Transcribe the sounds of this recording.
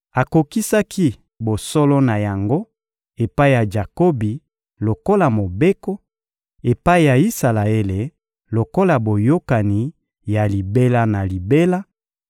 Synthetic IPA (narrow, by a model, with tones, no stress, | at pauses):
a˨ko˨ki˦sa˦ki˦ | bo˨sɔ˦lɔ˦na˨ja˨ŋɡo˦ | e˨pa˦i˦ja˨d͡ʒa˨ko˦bi˨ | lo˨ko˦la˨mo˨be˦ko˦ | e˨pa˦i˦˨ja˨i˦sa˨la˨e˦le˨ | lo˨ko˦la˨bo˨jo˦ka˨ni˨ | ja˨li˨be˦la˦na˨li˨be˦la˦